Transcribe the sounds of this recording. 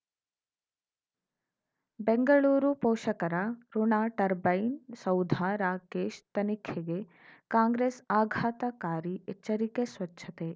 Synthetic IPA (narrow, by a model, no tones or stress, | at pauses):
beŋɡɐɭuːɾupoːʃɐkɐɾɐɾunaːʈɐɾbɐjnsɐwd̪ʱaɾaːkeːʃt̪ɐnikʰeɡe | kaːŋɡɾeːsaːɡʱaːt̪ɐkaːɾiet͡ʃːɐɾikesʋɐtːʃʰɐt̪e